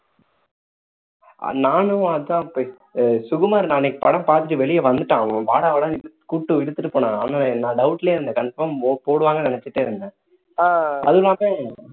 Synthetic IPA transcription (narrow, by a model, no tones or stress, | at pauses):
naːnʊ̃ɐðɯt̪ãːpː | sʊɣɯmaːɾnaːnɛkːɯpɐɽɐmpaːɾt̪ɯʈːiʋɛɭɪjɐʋɐnd̪ɯʈːãːpaːɽaʋɐɽɐ̃ːɪɯ | kʊʈːɯʋɪɽɯt̪ːɯʈːɯpoːɳãːaːnaːnãːɖɐʊʈːɪleːɪɾnd̪ɐkɐɳɖɪpːɐmːpoːɽɯʋaːŋɡɐnɪnɛt͡ʃːɯʈːeːɾɯnd̪ɯ | ɐ̰ðlːaːme